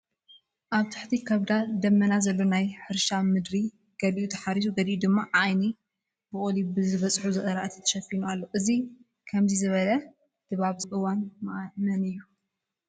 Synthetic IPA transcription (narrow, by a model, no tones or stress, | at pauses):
ʔaβt̪ʰḁħt̪ʰikʰɐβd̪ad̪ɐmːɐnazɐlːonajħɨɾʃamɨd̪ɾi | ɡ̥ɐliʔut̪ʰɐ̥ħaɾisuɡɐliʔud̪ɨmːaʕajni | b̥ɨʔʼolibɨzɨβɐt͡sʼħuzɨʔʼɐɾaʔɨt̪ʰɐ̥t̪ʰɐ̥ʃɐfinualːo̞ʔɨzi | kʰɐmzizɨβɐlɐ | d̪̥ɨβaβzɨʔɨwanmaʔnɐnɨjːu